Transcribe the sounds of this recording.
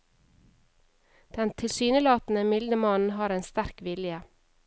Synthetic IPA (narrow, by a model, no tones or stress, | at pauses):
d̪̥ɛnt̪ʰɪlsyːnəlɑːt̪n̩əmɪld̪əmɑnn̩ɦɑːɾeːnst̪æɾkʋɪljə